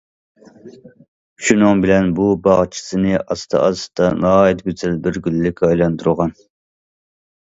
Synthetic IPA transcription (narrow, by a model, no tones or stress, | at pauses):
ʃunɨŋbɪlɛnbubɑʁt͡ʃʰi̥sɨnɨʔɑst̪ʰɑ̰ʔɑ̰sɨ̥t̪ɑnɑɦɑːjɛt̪̚ɡʲøzɛlbɪɾɡʲylːɪkʲʰɑjlˠɑnt̪ʰuɾʁɑn